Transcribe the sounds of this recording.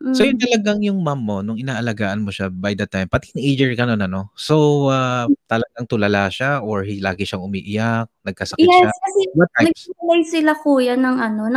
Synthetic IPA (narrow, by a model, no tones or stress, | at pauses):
sojʊnt̪ɐlɐɡaŋjʊŋmamːo̞nʊŋɪnaːʔɐlɐɡaːʔɐnmo̞ʃabajd̪ɐt̪ajmpɐt̪iŋʔejd͡ʒɛɹɡɐno̞nɐno̞so̞wat̪ɐlɐɡaŋt̪ʊlɐlaʃaʔoɹhila̰ːɡɪʃaŋʊmiːʔɪjak̚nɐɡ̚kɐsɐkjɛakɐsɛwɐt̪̚anɐɡ̚sɪwɐlajsɪlakuːjanɐŋʔɐnonɐ